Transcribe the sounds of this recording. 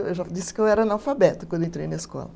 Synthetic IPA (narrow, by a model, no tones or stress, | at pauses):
ewʒad͡ʒ̪isɪ̥kewɛɾɐnalwfabɛt̪kɐ̃nd̪ʊẽt̪ɾejnɐeskɔ̰lɐ